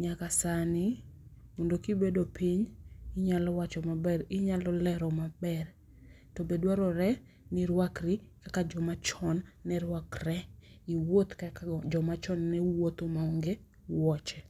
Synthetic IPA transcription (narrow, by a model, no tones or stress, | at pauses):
ɲakasanɪ | mondokibedopiɲɪɲalɔwat͡ʃɔmabɛɾɪɲalɔlɛɾɔmabɛr | tɔbedwaɾɔɾɛ | nɪɾwakɾɪkakad͡ʒɔmat͡ʃɔnːɛɾwakrɛiwot̪kakd͡ʒɔmat͡ʃɔnːɛwot̪omaoŋɡe | wɔt͡ʃɛ